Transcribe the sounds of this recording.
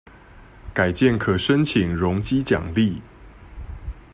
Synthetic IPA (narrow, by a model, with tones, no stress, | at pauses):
ka˨˩ɪt͡ɕjɛ˥˨nkʰɤ˨˩ʂə˦˥nt͡ɕʰi˨˩ŋɻʊ˧˦ŋt͡ɕi˦t͡ɕjɑ̰˨˩ŋli˥˨